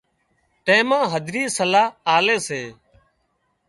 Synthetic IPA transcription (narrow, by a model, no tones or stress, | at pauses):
ʈẽːmãːɦəd̪ʱɾiːsəlaːaːleːseː